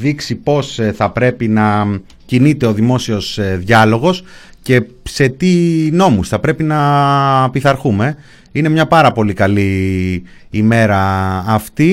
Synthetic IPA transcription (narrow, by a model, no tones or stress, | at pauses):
ðiksipo̞sθɐpɾe̞pinɐ | cinit̪e̞o̞ðimo̞sio̞sðʝɐlo̞ɣo̞sce̞ | se̞t̪ino̞musθɐpɾe̞pinɐpiθɐɾxume̞ | ine̞mɲɐpɐɾɐpo̞likɐli | ime̞ɾɐːft̪i